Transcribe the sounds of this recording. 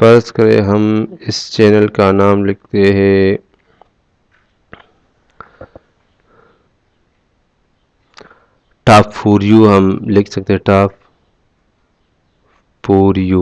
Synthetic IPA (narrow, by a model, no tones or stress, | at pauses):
pɐɾskɐɾḛ̃ɦɐmɪst͡ʃɛːnəlkanaːmlɪk̚ʰt̪eɦɛ̃ | ʈaːpfoːɾjuːɦɐmlɪkʰsɐk̚t̪eɦɛ̃ʈaːp | foːɾjuː